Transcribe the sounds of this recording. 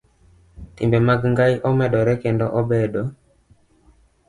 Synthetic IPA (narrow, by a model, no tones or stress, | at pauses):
tɪ̰mbɛmaɡŋɡajʔɔmɛdɔɾɛkɛndɔʔɔbɛdo